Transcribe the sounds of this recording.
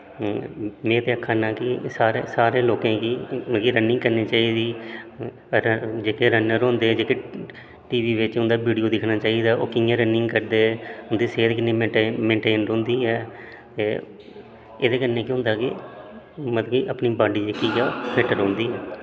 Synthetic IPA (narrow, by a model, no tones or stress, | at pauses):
mẽːt̪eːəkʰaːnãːkɪsaːɾḛːsaːɾeːloːkãːkiːməkiːɾənɪŋɡkəɾniːt͡ʃaːiːd̪iː | d͡ʒeːkeːɾənəɾõːnd̪eːd͡ʒeːke | ʈiːʋiːʋɪt͡ʃɦʊ̃nd̪aːbiːɖijoːd̪ɪkʰnaːt͡ʃaːiːd̪aːo̰ːkɪjãːɾənɪŋɡkəɾd̪eːɦʊnd̪iːseːd̪eːkənːẽːeːmɛ̃ːɳʈeːnɾɦʊ̃nd̪iːɛː | t̪eː | eːd̪eːkənːeːkiɦʊ̃nd̪aːkɪ | mət̪kiːʔəpniːbaːɖiːd͡ʒkijaːpʰeːʈəɾɦõːnd̪iːɛː